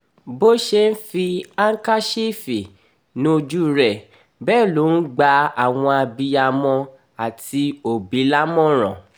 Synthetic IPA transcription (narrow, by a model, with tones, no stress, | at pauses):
bo˦ʃe˧n̩˦fi˧a˦ŋ̩˦ka˦ʃi˦˨fi˨ | nũ˦o˧d͡ʒu˦ɾɛ˨ | bɛː˦˨lo˨˦n̩˦ɡ͡ba˧a˦˨w̃ɔ̃˧a˧bi˧a˧mɔ̃˧ | a˨ti˧o˨bi˨˦la˦mɔ̃˦ɾ̃ɔ̰̃˨